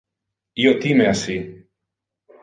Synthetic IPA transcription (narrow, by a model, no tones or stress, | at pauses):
iot̪imeasi